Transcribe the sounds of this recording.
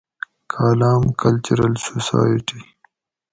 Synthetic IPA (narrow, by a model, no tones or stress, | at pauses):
kʰaːlaːmkʰɐlt͡ʃuɾɐlsosa̰ːjiʈi